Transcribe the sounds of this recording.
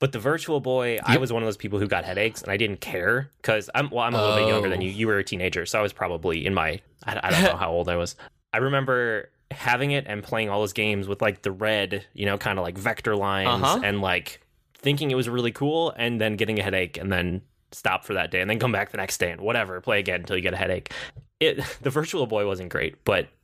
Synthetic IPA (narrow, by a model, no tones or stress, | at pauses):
b̥ʌt̪̚ðɨvɜ˞t͡ʃul̩ˠbɔɪaɪwʌzwʌ̃nʌvðoʊz̥pʰipl̩ˠhʉɡɑ̰t̚hɛɾeɪksɨ̰̃naɪdɪdⁿn̩kʰɛɹkʰʌzã̰ɪ̃mwɛlˠãɪ̃məlʌɪ̃jʌ̃ŋɡə˞ðɨ̃njɨjɨwə˞ɨtʰĩneɪd͡ʒə˞soʊaɪwʌz̥pʰɹ̥ɑbəbliʔɨ̰̃nmaɪ | ʔaɪaɪdõʊ̃oʊhaʊoʊlˠdaɪwʌz̥ | ʔaɪɹɨmɛ̃mbə˞ | hævɪ̃ŋɪɾʔɨ̃npʰl̥eɪɪ̃ŋɔlˠðoʊzɡẽɪ̃mzwəðlaɪk̚ðɨɹɛdjʔɨ̰noʊkʰãɪ̃ndəlaɪkvɛk̚tə˞lãɪ̃nnzɨ̃nlaɪk | θɪ̃ŋk̬ɪ̃ŋɨt̚wʌzɹɪlˠikʰulˠɨ̃nðɨ̃nɡɛɾɪ̃ŋɨɦɛɾeɪkɨ̃nðɨ̃n | stɑ̰pfə˞ðɨ̰t̚d̥eɪɨ̃nðɨ̃nkʰʌ̃mbæk̚ðɨnɛksd̥eɪɨ̃nwʌɾɛvə˞pʰl̥eɪɨɡɛ̃ñntʰɪlˠjɨɡɛɾɨhɛ̰ɾeɪkɪtðɨvɜ˞t͡ʃul̩ˠbɔɪwʌzɨ̃n̩ɡ̥ɹḛɪt̚b̥ʌt̚